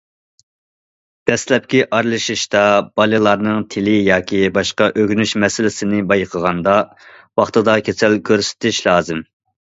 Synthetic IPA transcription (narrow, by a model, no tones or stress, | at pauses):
d̪̥ɛslɛp̚kʲiʔɑɾlˠɨʃiʃt̪ɑb̥ɑlˠɨlˠɑɾnɨŋt̪ʰɪlɪjɑːkʲibɑʃqɑʔøɡʲnyʃmɛsɪlɪsɪnɪbɑjqʰəʁɑnd̪ɑ | wɑχt̪ɨd̪ɑkʲʰesɛlkʲʰøɾsɪ̥t̪ɪʃlˠɑːzɨm